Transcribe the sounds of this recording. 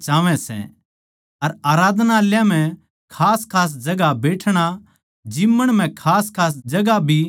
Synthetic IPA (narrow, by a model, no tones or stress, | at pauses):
t͡ʃaːʋɛ̃sɛ̰ | ɐɾaːɾaːd̪ʱnaljãm̤ɛ̃ | kʰaːskʰaːs̬d͡ʒɐɡabeːʈʰɽ̃a | d͡ʒɪmːəɽ̃m̤ɛ̃kʰaːskʰaːs̬d͡ʒɐɡabʱi